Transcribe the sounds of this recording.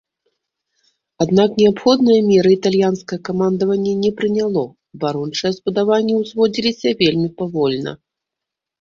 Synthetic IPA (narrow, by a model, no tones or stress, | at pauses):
ad̪naknʲɛapxɔd̪̚nɨjɐmʲɛɾɨit̪alʲjanskɐjɐkamand̪ɐvɐnʲːɛnʲɛpɾɨnʲalˠɔ | vaɾunt͡ʂɨjɛzbud̪avanʲːɛwzvɔd͡zʲilʲisʲɐvʲelʲmʲipavɔlʲnɐ̰